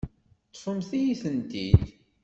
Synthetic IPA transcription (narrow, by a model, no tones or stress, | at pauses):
t͡sːfəmθijiθənt̪id̪